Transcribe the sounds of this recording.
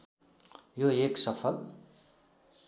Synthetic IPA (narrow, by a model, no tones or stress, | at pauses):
joeksʌpʰʌl